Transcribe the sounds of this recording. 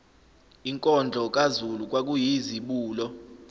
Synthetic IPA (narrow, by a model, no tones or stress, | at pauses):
iŋkʼɔnd͡ɮʱɔk̬ʼazuluk̬ʼwak̬ʼujiziɓuːlɔ